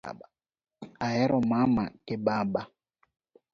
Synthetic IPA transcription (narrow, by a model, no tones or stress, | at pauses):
a | ajɛɾɔmama̰keɓaɓa